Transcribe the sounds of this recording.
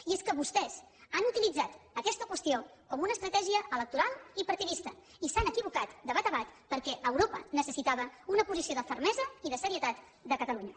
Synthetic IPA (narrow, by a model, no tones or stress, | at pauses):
ieskəβust̪ɛz̥ | anut̪ilid͡zat̪əkɛst̪əkwəst̪iokɔmunəːst̪ɾət̪ɛʒiəələk̚t̪uɾalˠipəɾt̪iðist̪ə | isanəkiβukat̪d̪əβat̪əβat̪pəɾkɛʔəwɾopə̰nəsəsit̪aβəunəpuzisioðəfəɾmɛzəiðəsəɾiət̪at̪ | d̪əkət̪əluɲə